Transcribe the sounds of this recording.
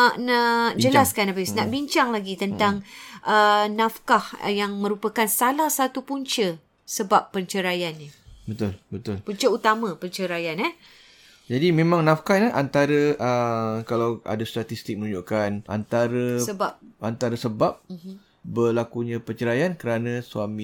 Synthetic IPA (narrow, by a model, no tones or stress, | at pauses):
anaʔd͡ʒəlaskanabɪsnaʔbiɲt͡ʃaŋlaɡit̪ənt̪aŋʔənafkahjaŋmə̃ɾupəkansalahsat̪upuɲt͡ʃə | səbapːəɲt͡ʃəɾajanɲəbət̪ʊlbət̪ʊlpuɲt͡ʃəut̪amãpəɲt͡ʃəɾajanɛ | d͡ʒadimẽmãŋnafkanaʔant̪aɾəʔəkalawa̰dast̪at̪ist̪ɪk̚mənũɲd͡ʒoʔkana̰nt̪aɾəsəbap̚ant̪aɾəsəbap̚ | bəlakuɲãpənt͡ʃəɾajankəɾanãsuami